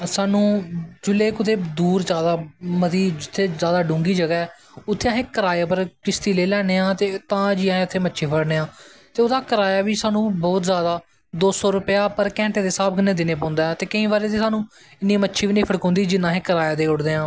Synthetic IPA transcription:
saːnũːd͡ʒʊlːeːkʊt̪ʰeːd̪uːɾzjaːd̪aːmət̪iːd͡ʒɪt̪ʰːeːzjaːd̪aːɖʊ̃ːŋɡiːd͡ʒəɡɛː | ʊt̪ʰːeːãɦẽːkəɾaːjaːpəɾkɪst̪iːleːlɛːneːãːt̪eːt̪ãːd͡ʒiːaɦẽʊt̪ʰːeːmətːʃʰiːpʰəɽneːãːt̪eːʊd̪aːkəɾaːjaːʋiːsaːnũːbɔːt̪zjaːd̪aː | d̪oːsɔːɾʊpɪjaːpəɾkɛ̃ːɳʈeːd̪eːsaːbkənẽːd̪ɪnẽːpɔ̃ːnd̪aːɛt̪eːkəĩːbaːɾeːt̪iːsaːnũː | ɪnːĩːmətːʃʰiːʋiːnĩːpʰəɽkõːnd̪iːd͡ʒɪnːãːɦẽːkəɾaːjaːd̪eːʊɽd̪eːãː

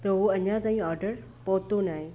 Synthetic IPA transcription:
t̪ɐɦoɐɲãt̪aːɦĩɔːɾɖəɾ | poːt̪onaːɦẽː

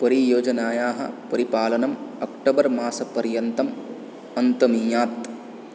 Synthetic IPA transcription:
pɐɾijoːd͡ʒɐnaːjaːɦɐ̰pɐɾipaːlɐnɐmɐkʈɐbɐɾmaːsɐpɐɾjɐnt̪ɐm | ɐnt̪ɐmiːjaːt̪

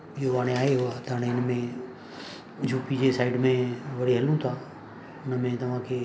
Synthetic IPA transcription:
ijoʋaːɽ̃ẽaːeɦʊaːt̪aːɽ̃ẽɪnmẽ | d͡ʒʱuːpid͡ʒesaːɪɖmẽʋɐɽiɦɐlũt̪ʰaː | ʊnəmẽt̪ɐʋ̤ãːkʰeː

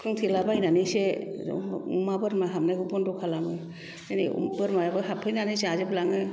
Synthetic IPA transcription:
kʰɯŋtʰilabajnanesḛ | umabɯɾmaɦamnajɡɯbɔndɔkʰalamɯ | enḛṵbɯɾmajabɯɦapʰɯjnanɯjseazɯblaŋɯ

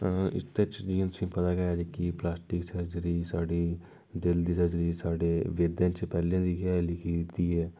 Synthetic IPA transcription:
ɪ̰st̪et͡ʃd͡ʒĩːnt̪ʊsĩːpət̪aːɡɛjaːd͡ʒekiplaːsʈɪksəɾd͡ʒɾiːsaːɖiː | d̪ɪld̪iːsəd͡ʒɾiːsaːɖeːʋeːd̪ãːt͡ʃpɛːlãːd̪iːkɛlɪkʰit̪iːɦɛː

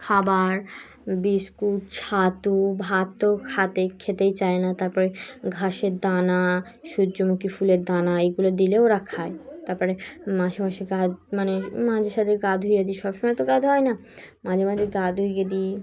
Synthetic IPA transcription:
kʰabaɾ | biskut̪t͡ɕʰat̪ubʱat̪okʰat̪ekʰet̪ejt͡ɕaenat̪aɾpɔɾeɡʱaʃeɾd̪anaʃud͡ʒːomukifuleɾd̪anaeɡulod̪ileoɾakʰaet̪aɾpɔɾemaʃapaʃeɡadmanemad͡ʑʱeʃat̪ʰeɡad̪ʱujad̪iʃɔbʃomɔjt̪oɡad̪ʱɦɔenamad͡ʑʱemad͡ʑʱeɡad̪ʱujɡad̪i

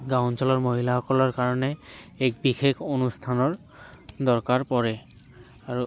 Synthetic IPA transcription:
ɡawnsɔlɔɹmoɦilaxɔkɔlɔɹkaɹɔnɛːk̚bixekʰonustʰanɔɹ | dɔɹkaɹpɔɹɛ | aɹu

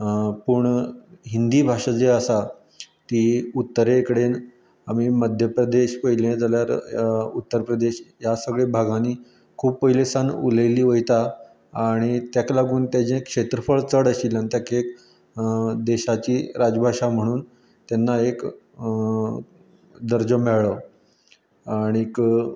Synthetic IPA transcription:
puɳɦind̪iːbʱaʂad͡zeəsa | t̪iut̪ːəɾekɽen | amiːməd̪ʱjəpɾəd̪eɕpəjlẽd͡zaljaɾut̪ːəɾpɾəd̪eɕjasəɡɭebʱaɡʱaniː | kʰuːppəjlesanṵləjliːʋəjt̪aː | ɽ̃it̪jaklaɡuːnt̪jad͡ʑẽkʂet̪ɾəfəɭt͡səɽəɕiːlanit̪jakek | d̪eɕat͡ɕiːɾad͡zbʱaʂam̤əɽ̃uːn | t̪anːaek | d̪əɾd͡ʑəmeɭɭə | aɽ̃ik

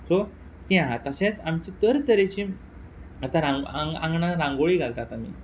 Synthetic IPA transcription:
so | t̪iãɦat̪aɕẽt͡samt͡ɕit̪əɾt̪əɾet͡ɕiː | at̪aɾãŋaŋɡã̰ŋɡɳaɾãŋɡoɭiːɡʱalt̪at̪am̤ḭː

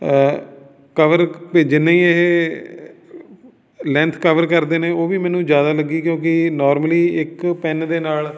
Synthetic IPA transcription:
kəʋəɾped͡ʒɪnːẽːĩːeɦe | lɛ̃nt̪ʰkəʋəɾkəɾd̪eːnẽːoːʋiːmɛ̃ːnũːd͡ʒjaːd̪aːləɡiːkjõːkɪnɔːɾməliːɪkpɛnd̪eːnaːl

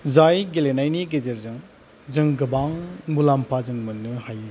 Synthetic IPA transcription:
zajɡelenajniɡezeɾzɯŋ | zɯŋɡɐbaŋmulampʰazɯŋmɯnːɯhaj

